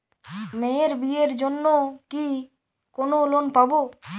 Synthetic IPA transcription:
meɾbieɾd͡ʒonːoki | konolonpabo

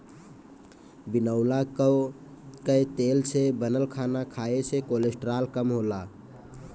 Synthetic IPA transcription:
binəʊlakə | kəjt̪elt͡ʃʰebənəlkʰanakʰaet͡ʃʰekolesʈɾalkəmɦola

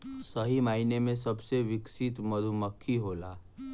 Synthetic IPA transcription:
səɦimaːinemẽsəbseʋɪksit̪məd̪ʱuməkʰːiɦoːla

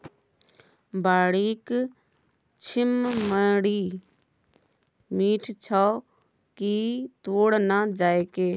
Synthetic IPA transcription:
baːɽiːk | t͡ʃʰɪmːəɽiː | miːʈʰt͡ʃʰaː | kit̪oːɽnad͡ʒaːeːkeː

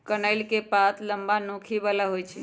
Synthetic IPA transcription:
kənəɪlkepat̪ləmbanõkʰibalaɦojt͡ʃʰḭ

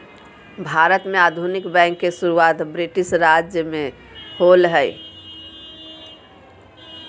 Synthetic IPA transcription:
bʱaɾət̪meaːd̪ʱunɪkbɛ̃ŋkːesuɾuwat̪bɾiʈisɾad͡ʒjəmẽ | holɦəj

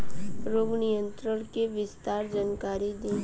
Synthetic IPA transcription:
ɾoːɡnijə̃nt̪ɾəɽ̃keʋɪst̪aːɾd͡ʒankaːɾid̪ĩː

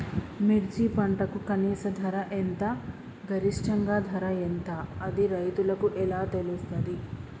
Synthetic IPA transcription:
miɾd͡ʒipɐɳʈɐkukɐniːsɐd̪ʱɐɾɐʔent̪ɐ | ɡʱɐɾiʂʈɐŋɡaːd̪ʱɐɾɐent̪ɐɐd̪iɾɐjt̪ulɐkuʔɛlaːt̪elust̪ɐd̪i

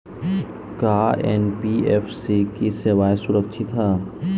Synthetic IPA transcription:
kaːɛ̰npiɛfsikiseʋaːjsʊɾəkʃʰit̪aː

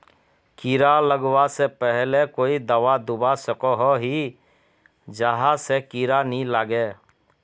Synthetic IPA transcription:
kiːɾaləɡwasepɛɦlekoːid̪əʋad̪ʊbasəkoɦoɦi | d͡ʒəɦasekiːɾanilaːɡeː

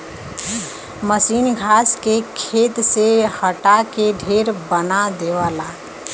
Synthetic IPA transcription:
məsiːnɡʱaːskekʰeːt̪sehəʈakeɖʱeːɾbənad̪eːʋaːlaː

